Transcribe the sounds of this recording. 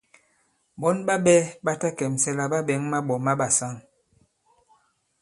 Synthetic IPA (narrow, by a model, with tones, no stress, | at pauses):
bɔ˦nba˦ɓɛ˦ba˦ta˦kɛ˨msɛ˦la˨ba˦bɛ˨˦ŋma˦ɓɔ˨ma˦ɓa˨sa˦˨ŋ